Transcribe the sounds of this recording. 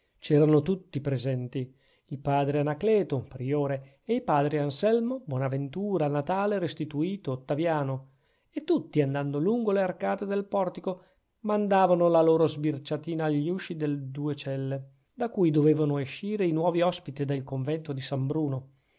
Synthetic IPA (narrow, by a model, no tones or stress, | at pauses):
t͡ʃɛːɾanot̪ut̪ːipɾezɛnt̪i | ilpaːd̪ɾeanaklɛːt̪opɾioːɾeː | ipaːd̪ɾiansɛlmobwɔːnavent̪uːɾanat̪aːleɾest̪it̪uiːt̪oːt̪ːavjaːno | et̪ːut̪ːiand̪and̪oluŋɡolearkaːt̪ed̪elpɔrt̪iko | mand̪aːvanolaloːɾozbirt͡ʃat̪iːnaːʎːiuʃid̪eld̪uːet͡ʃɛlːe | d̪akuːjd̪oveːvanoeʃːiːɾeinwɔːviɔspit̪id̪elkoɱvɛnt̪od̪isambɾuːno